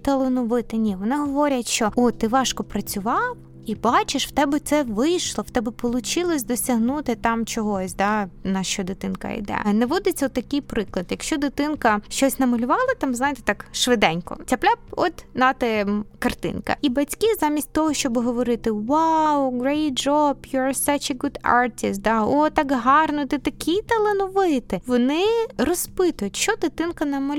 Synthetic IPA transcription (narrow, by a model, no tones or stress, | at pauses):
t̪ɐlˠɪnʊʋɪt̪ɪnʲiʋɔnɪɦɔʋɔɾʲɐtʲʃt͡ʃɔɔt̪ɪʋɑʃkɔpɾɐt͡sʲʊʋɑw | ibɑt͡ʃɪʃwt̪ɛbɛt̪sɛʋɪjʃlˠɔwt̪ɛbɛpɔlˠʊt͡ʃɪlˠɔsʲd̪ɔsʲɐɦnut̪ɪt̪ɑmt͡ʃɔɦɔsʲd̪ɑnɐʃt͡ʃɔd̪ɪt̪ɪnkɐ̰ḭd̪ɛ̰nɛʋɔd̪ɪt͡sʲɔt̪ːɐkɪjpɾɪklˠɐd̪jɐkʃt͡ʃɔd̪ɪt̪ɪnkɐʃt͡ʃɔsʲnɐmɐlʲʊʋɑlˠɐt̪ɑmzɑjɪt̪e̥t̪ɑkʃʋɪd̪ɛnʲkɔ̰tʲɐplʲap̚ɔt̪nɑt̪ɛkɐrt̪ɪ̰nkɐ̰ibɐtʲkizamʲisʲtʲt̪ɔɦɔʃt͡ʃɔbɦɔʋɔɾɪt̪ɪwawɡɾeɪt̚d͡ʒɔbjɔɹsɐt͡ʃeɡʊd̪ɑ̰ɹtʲɪst̪̚d̪aɔt̪ɑkɦɑrnʊt̪ɪt̪ɐkʲʰit̪ɐlˠenɔʋɪt̪ɪʋɔnɪrɔspɪt̪ʊjʊtʲʃɔd̪ɪt̪ɪnkɐnɐmɐlʲ